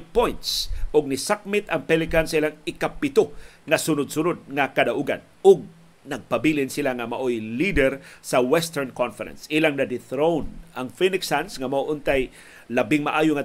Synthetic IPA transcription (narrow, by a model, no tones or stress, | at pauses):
pojnt̪sʔʊɡ̚nɪsak̚mɪt̪ɐŋpɛlɪkansaʔilaŋɪkapɪt̪oŋɐsʊnʊd̪̚sʊnʊd̪̚ŋakad̪aʔuɡa̰n | ʊɡ̚ | nɐɡ̚pabilɪnsɪlaŋamaʔojlid̪ɛɾsɐwɛst̪ɛɹnkɔnfɛɾɛ̰nsʔilaŋnad̪ɪθɾownʔaŋfinɪksansŋamaʔoʔʊnt̪aj | labɪŋmaʔaːjʊŋa